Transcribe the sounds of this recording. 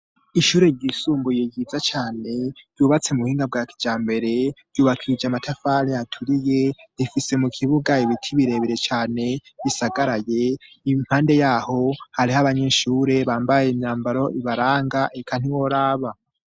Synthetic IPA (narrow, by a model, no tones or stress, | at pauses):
iʃuːɾe̞ɟisuːmbujejid͡zat͡ʃaːne̞ɾjuːβat͡semuhiːŋɡab̚ɡaːki̥d͡ʒaːmbe̞ɾe̞ɾjuːβakʰid͡ʒamatʰafaɾiatʰuɾije̞ɾifise̞mukʰiβuɡaiβitʰiβiɾe̞ːβiɾe̞t͡ʃaːne̞βisaɡaɾaje̞ | iβiŋ̥haːnde̞jaːho̞haɾihaβaɲeʃuːɾe̞βaːmbajemɲaːmbaɾo̞iβaɾaːŋɡaʔekʰan̥iwo̞ɾaːβa